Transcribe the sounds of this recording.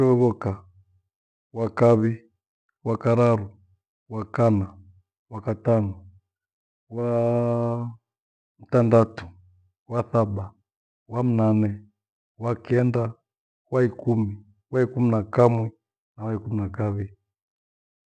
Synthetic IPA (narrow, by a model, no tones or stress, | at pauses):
ɛβɔka | wakaβi | wakaɾaɾu | wakana | wakatanɔ | wa | m̩tandatu̥ | waθaɓa | wam̩nanɛ | wakɛnda | waikumi | waikuminakamwɛ | nawaikuminakaβi